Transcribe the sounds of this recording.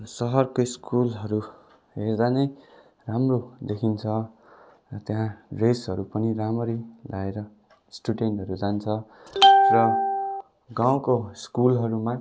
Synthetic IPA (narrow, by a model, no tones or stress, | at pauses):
sʌɦʌrkoiskulɦʌɾu | ɦerd͡z̪anʌj | ramrod̪ekʰint͡sʰʌ | ʌt̪jɦãresɦʌɾupʌniɾamʌɾilaeɾʌ | sʈuɖeɳʈɦʌɾud͡zant͡sʰʌ | rʌ | ɡaw̃koskulɦʌɾuma